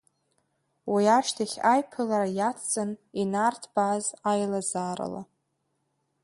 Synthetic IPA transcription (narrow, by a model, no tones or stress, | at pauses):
wijaʃtʰaχʲajpʰɨlaɾajat͡sʰt͡sʼɨninartʰb̥azajlazaːɾa̰la̰